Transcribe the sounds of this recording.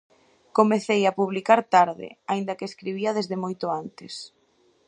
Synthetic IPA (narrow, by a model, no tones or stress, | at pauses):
komeθejapuβ̞likaɾt̪aɾðɪ̰aind̪ɐkeːskɾiβiɐðezðɪmojt̪ʊant̪ɪs